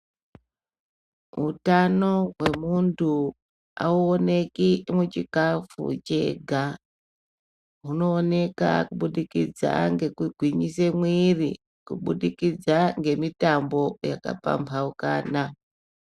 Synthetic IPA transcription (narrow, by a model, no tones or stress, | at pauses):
ɦutano̞ɦwe̞muntu | a̰uone̞kimut͡ʃikafṵt͡ʃe̞ɡʱa | ɦuno̞ːne̞ka̰kuɓuɗikid͡za̰ŋɡe̞kuɡʱwiɲisemwirḭ | kuɓuɗikid͡zaŋɡe̞mitambo̞ja̰ka̰pa̰mpʰauka̰ːna